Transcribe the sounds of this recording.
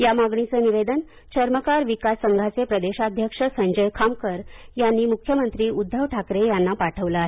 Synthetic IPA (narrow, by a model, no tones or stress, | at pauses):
jamaɡɳit͡səniʋed̪ən | t͡ɕəɾməkaɾʋikasːəŋɡʱat͡sepɾəd̪eɕad̪ʱjəkʂəsəɲd͡ʑəjkʰamkəɾjanːiːmukʰjəmənt̪ɾiːud̪ʱːəʋʈʰakɾejanːapaʈʰəʋləaɦe